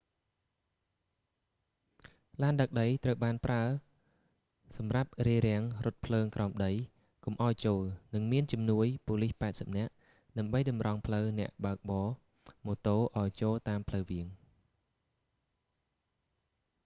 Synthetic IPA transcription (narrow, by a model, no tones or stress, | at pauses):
laːnɗək̚ɗəjt̪rəwɓaːnpraə | sɑmrap̚riəɾɛ̆əŋrʊ̆t̪̚pʰləːŋkrʔaɔmɗəj | kumʔaɔjt͡ɕoːlnɨŋmiənt͡ɕɑmnuəjpoːlihpaɛt̪̚səp̚nɛ̆əʔ | ɗaəmɓəjɗɑmrɑŋpʰləwnɛ̆əʔɓaək̚ɓɑː | moːt̪oːʔaɔjt͡ɕoːlt̪aːmpʰləwʋiəŋ